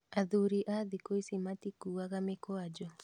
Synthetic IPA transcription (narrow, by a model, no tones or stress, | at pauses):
aðuɾiʔaðikoisimatikuaɣamekwad͡ʒɔ